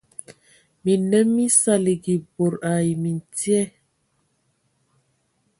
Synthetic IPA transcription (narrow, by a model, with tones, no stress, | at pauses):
mi˨nɛ˦mːi˦sa˨li˨ɡi˨bo˨ɾa˨ji˨mi˨n˨tjɛ˦